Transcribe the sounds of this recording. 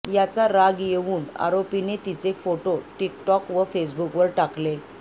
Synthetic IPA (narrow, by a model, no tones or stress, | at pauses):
jat͡saɾaɡjeʋuːna̰ɾopinet̪it͡sefoʈoʈikʈɔkʋəfes̬bukʋəɾʈakle